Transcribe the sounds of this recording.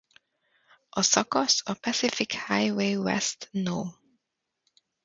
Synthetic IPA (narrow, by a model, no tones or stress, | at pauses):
ʔɔsɔkɔsɔpʰasɪfɪkhaɪweɪwɛ̰stnɔː